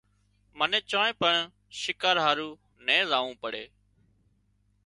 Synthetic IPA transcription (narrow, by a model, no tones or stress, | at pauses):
mənẽːt͡ʃõːẽːpəɳ | ʃɪkaːɾɦaːɾuː | nẽːzaːʋũːpəɽḛː